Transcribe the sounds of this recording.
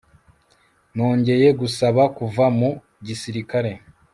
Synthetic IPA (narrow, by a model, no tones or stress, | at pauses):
no̞ːɲɟe̞je̞ɡusaβakuvamu | ɟisiɾikaɾe̞